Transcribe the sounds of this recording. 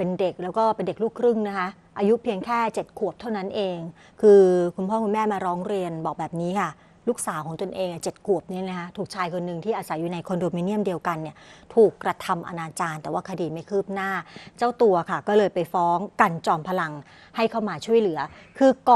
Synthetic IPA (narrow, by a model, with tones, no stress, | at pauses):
pe˧nde˨˩k̚lɛː˦˥wkɔː˥˩pe˧nde˨˩k̚luː˥˩kʰɾɯ˥˩ŋna˦˥kʰa˦˥ | ʔaː˧ju˦˥pʰi˧əŋkʰɛː˥˩t͡ɕe˨˩t̪̚kʰu˨˩əp̚t̪ʰa˥˩wna˦˥nʔeː˧ŋ | kʰɯː˧kʰu˧npʰɔː˥˩ku˧nmɛː˥˩maː˧ɾɔː˦˥ŋɾi˧ənbɔː˨˩k̚bɛː˨˩p̚niː˦˥kʰa˥˩ | luː˥˩k̚saː˨˩˦wkʰɔ˩˦ŋt̪o˧nʔeː˧ŋa˧˩t͡ɕe˨˩t̪̚kʰu˨˩əp̚ni˦˥na˦˥kʰa˦˥t̪ʰuː˨˩k̚t͡ɕʰaː˧jkʰo˧nːɯ˨˧˩ŋt̪ʰiː˥˩ʔaː˧sa˨˩˦jːuː˨˩na˧jkʰo˧ndoː˧miː˧˦ni˥˩əmdi˧əwka˧nːi˥˩ɐt̪ʰuː˨˩kːɾa˧t̪ʰa˧mʔa̰˧naː˧t͡ɕaː˧nt̪ɛː˨˩waː˥˩kʰa˧diː˨˩ma˥˩jkʰɯː˥˩p̚naː˥˩t͡ɕa˥˩wt̪u˧ɐkʰa˥˩kɔː˥˩lɤː˧jpa˧jfɔː˦˥ŋka˧nt͡ɕɔː˧mpʰa˧la˧ŋ | ha˥˩jkʰa˥˩wmaː˧t͡ɕʰu˥˩əjlɯ˩˦ɐkʰɯː˧kɔ˧